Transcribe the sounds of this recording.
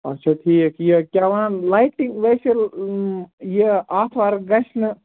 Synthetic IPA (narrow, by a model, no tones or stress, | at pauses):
ɐ̰tːʃʰat̪ʰiːkjekʲjaːʋãːnlajʈiŋɡʋeːsel | jeaːt̪ʰʋaːɾɡɐʃnɨ